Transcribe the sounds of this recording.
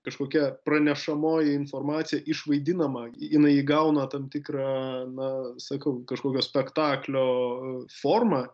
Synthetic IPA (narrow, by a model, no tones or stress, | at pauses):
kɐʃkoːkʲɛpɾɐnʲɛʃɐmoːjɪɪnfoːrmɑːt̪sʲɪjɛʔɪʃʋɐɪd̪ʲɪnɐmɐɪnɐɪjɪɡɐʊnɐt̪ɐmt̪ʲɪkɾɑːnɐsɐkɐʊkɐʃkoːkʲoːsʲpʲɛkt̪ɑːklʲoːfoːrmɑ